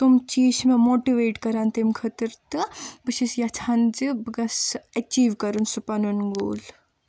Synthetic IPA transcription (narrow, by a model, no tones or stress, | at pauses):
t̪umt͡ʃiːsmẽmoːʈiʋeːʈkɐɾant̪emkʰɐt̪əɾt̪ɨbɨʃisjat͡ʃʰand͡ʒɨbɨɡɐsɐt͡ʃiːʋkɐɾunsupɐnunɡo̰ːl